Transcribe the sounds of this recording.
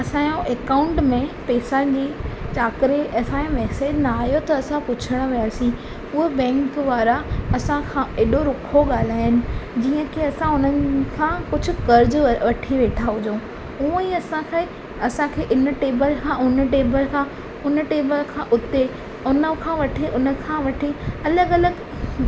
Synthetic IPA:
ɐsãːjõʔekaːʊ̃ɳʈmẽpeːsad͡ʑeːt͡ɕaːkɾeʔɐsãːmɛːseːd͡ʑnaːɦijot̪ɐɐsãpʊt͡ɕʰəɽ̃ʋijaːsĩ | ʊɦebɛ̃ːŋkʋaːɾaɐsãkʰãʔeːɗoɾʊkʰoɠaːl̤aːɦɪnɪ̆d͡ʑiːə̃keɐsãʊnənɪ̆kʰãkʊd͡ʑʱʊ̆kɐɾd͡ʑʋɐʈʰiʋeːʈʰaɦʊd͡ʑõː | ũːiɐsãkʰe | ɐsãkʰeːʔɪnə̆ʈeːbəlkʰãʊnəʈeːbəlkʰãː | ʊnəʈeːbəlkʰãʔʊt̪e | ʊnəkʰãːʋɐʈʰeʔʊnə̆kʰãʋɐʈʰiɐləɡɐləɡ

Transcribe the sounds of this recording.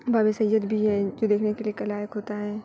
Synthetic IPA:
baːbisɐjːəd̪bʱiɦɛ̃d͡ʒoːd̪eːkʰnekeliekɐlaːjəkɦoːt̪aɦɛ̃ː

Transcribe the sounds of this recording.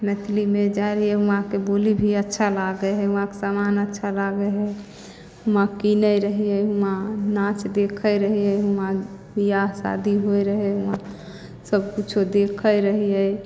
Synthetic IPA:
nət̪ʰlimed͡ʒaɾiɛuãkebolibʱiətːʃʰalaɡəeɦɛuãkesamanətːʃʰalaɡəɦɛ | ɦumãkinəjɾəɦiɛɦumanãt͡ʃd̪ekʰəjɾəɦiɛɦumãbijasa̰d̪ʱiɦoeɾəɦɛɦumã | səb̚kut͡ʃʰod̪ekʰəjɾəɦiɛ

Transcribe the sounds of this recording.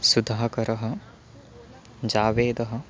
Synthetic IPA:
sud̪ʱaːɐkɐɾɐɦɐ | d͡ʒaːʋeːd̪ɐɦɐ̆

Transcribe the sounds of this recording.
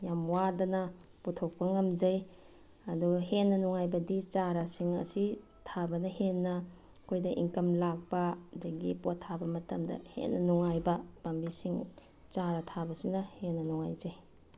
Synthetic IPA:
jamwadɐnɐ | putʰok̚pɐŋɐmd͡ʒɐj | ɐduɡɦenːɐnuŋajbɐdit͡ʃaɾasiŋɐ̰si | tʰabɐnɐhenːɐ | kʰojdɐʔḭŋkɐmlak̚pɐdɐɡipotʰːabɐmɐtɐmdɐ̰hḛnːɐnuŋajbɐbambisiŋ | t͡ʃaɾɐtʰabɐsinɐhenːɐnuŋa̰jd͡ʒɐj

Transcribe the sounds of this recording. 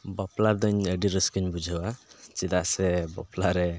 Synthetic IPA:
baplad̪əɲəɖiɾəskɯɲbud͡ʒʱawat͡ʃid̪aʔsɛbɔ̰pʰlaɾɛ

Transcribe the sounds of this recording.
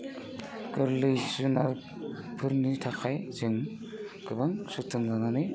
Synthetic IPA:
kɯɾlɯjsɯna̰ɾ | pʰɯɾnitʰakʰajzɯŋ | ɡ̥ɯbɯŋsutʰːɯŋdananɯ

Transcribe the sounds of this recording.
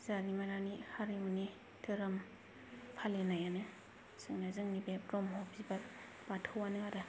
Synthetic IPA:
zaɡimaɾanihaɾiuni | tɯɾɯm | pʰalenajanɯ | sɯŋnazɯŋnibep̚ɡɔmɦɔpzibaɾ | b̥atʰɯwanɯaɾɯ

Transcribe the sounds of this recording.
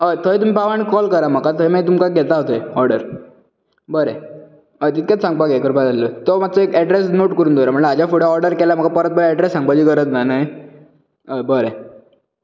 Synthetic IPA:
əjt̪ʰəet̪um̤ipaʋañikɔlkəɾam̤əkat̪əemat̪umkaɡʱɛt̪aɦot̪əeɔɾɖəɾ | bəɾe | əjt̪it̪ket̪sãŋɡ̚paɡekəɾpad͡zalːət̪ɔmat̪ːt͡sɔekɛɖɾesnoʈkəɾuːnd̪oɾaməɳlad͡ʑafoɽeɔɾɖəɾkɛlam̤əkapəɾət̪̚bəɾɛɖɾesːãŋɡ̚pad͡ʑiːkəɾət̪nanaj | əbəɾe

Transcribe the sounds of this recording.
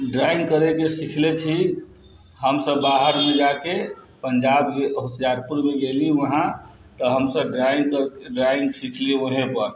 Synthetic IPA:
ɖɾaĩŋɡkəɾekesikʰlet͡ʃʰi | ɦəmsəbːaɦəɾmed͡ʒake | pəɲd͡ʒabkeɦʊsijaɾpuɾmeɡeliʋəɦã | t̪əɦəmsəbɖɾaiŋɡkəɾkɖɾaĩŋɡsikʰliəɦẽpəɾ

